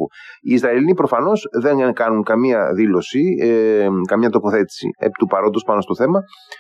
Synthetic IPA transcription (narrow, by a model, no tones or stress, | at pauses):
uiːzɾɐelinipɾo̞fɐno̞sðe̞ŋkɐnuŋkɐmiɐðilo̞si | kɐmɲɐt̪o̞po̞θe̞t̪i̥sḭḛpi̥t̪upɐɾod̪ospɐno̞st̪o̞θe̞mɐ